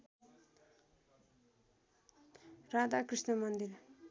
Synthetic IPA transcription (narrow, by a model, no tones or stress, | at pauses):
rad̪akrisnʌmʌnd̪ir